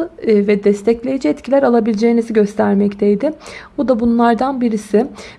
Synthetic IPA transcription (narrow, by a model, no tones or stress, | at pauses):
vɛd̪ɛst̪ʰɛclʲe̞jid͡ʒiɛt̪cʰilʲæɾalˠabilʲid͡ʒejːiniziɟø̞st̪ʰæɾmɛct̪ʰejd̪ɪbud̪abunlˠaɾd̪anbiɾisɪ